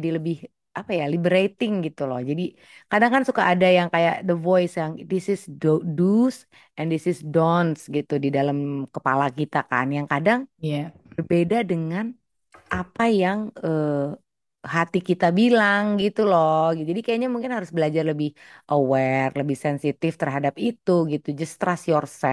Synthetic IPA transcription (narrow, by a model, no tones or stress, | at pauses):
adiləbɪh | ʔapajalibəɾet̪ɪŋɡit̪ulɔ̰hd͡ʒadi | kadaŋkansukaʔːdajaŋkajaʔdəvɔjsjaŋd̪ɪsɪsdodus | ʔɛnd̪ɪsɪsdɔnsɡit̪udidalamkəpa̰lakit̪aka̰njaŋkadaŋjabərbedadəŋan | ʔapajaŋə | ɦat̪ikit̪abilaŋɡit̪ulɔɡiud͡ʒadikajaɲamuŋkɪnɦaɾʊsbəlad͡ʒarləbɪhʔəwɛrləbɪhsɛnsit̪ɪft̪ərɦadap̚it̪uɡit̪ud͡ʒəst̪ɾasjɔrsɛ